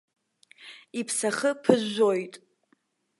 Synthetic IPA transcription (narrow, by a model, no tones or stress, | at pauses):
ipʰsaχəpʰɨzːojtʼ